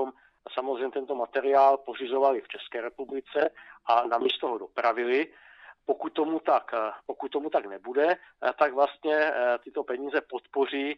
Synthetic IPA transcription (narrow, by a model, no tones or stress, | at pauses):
om | samozrejmɲɛt̪ɛnt̪omat̪ɛɾɪaːlpo̞r̝ɪzo̞valɪft͡ʃɛskɛːɾɛpublɪt͡sɛʔanamiːst̪oɦodo̞pɾavɪlɪ | pokut̪tːomut̪akpokut̪̚ːomut̪aɡnɛbudɛt̪aɡvlast̪ɲɛt̪ɪt̪o̞pɛɲiːzɛpot̪po̞r̝iː